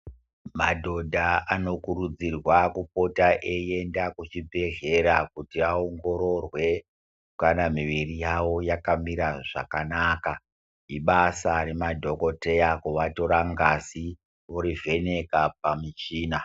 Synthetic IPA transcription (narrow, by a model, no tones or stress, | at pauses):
madʱo̞dʱaano̞kuɾud͡zirwakup̚o̞taʔeje̞ndakut͡ʃibʱe̞ɮe̞ɾakutiaoŋɡo̞ɾo̞rwe̞ | kanamiʋirijawo̞jakamiɾaʐa̰kanaːka | iɓasare̞madʱo̞ko̞te̞jakuʋato̞ɾaŋɡasi | oɾive̞ne̞kap̚amit͡ʃiːna